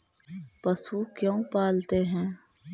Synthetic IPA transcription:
pɐsukjõːpaːlt̪eɦɛ̃ː

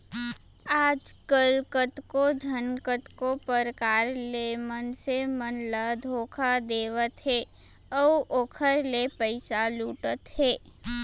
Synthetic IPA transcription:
aːd͡ʒkəlkət̪kod͡ʒʱənkət̪kopəɾəkaːɾlemənsemənləd̪ʱoːkʰad̪eːʋət̪ɦɛː | ɔːoːkʰəɾlepəɪsaluːʈət̪hɛː

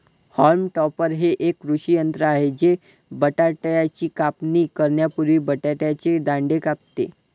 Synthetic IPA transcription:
hɔɾmʈɔpəɾɦeʔekːɾuɕijənt̪ɾəaɦed͡ʑe | bəʈaʈjat͡ɕiːkapniːkəɾɳjapuɾʋiːbəʈaʈjat͡ɕed̪ãɳɖekap̚t̪ḛ

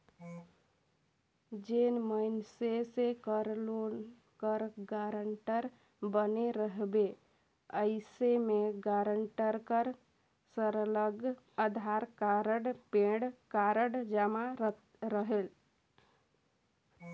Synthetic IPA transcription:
d͡ʒenməɪnsesekəɾlo | kəɾɡaɾəɳʈəɾ | bəneɾəɦbe | əɪsemeɡaɾəɳʈəɾkəɾ | səɾələɡ | əd̪ʱaɾkaɾəɽpẽɽkaɾəɽd͡ʒəma | ɾəɦel

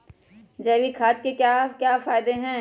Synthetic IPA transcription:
d͡ʒɛːʋikʰaːt̪kekjaːkjaːfaːɪd̪eɦɛ̃ː

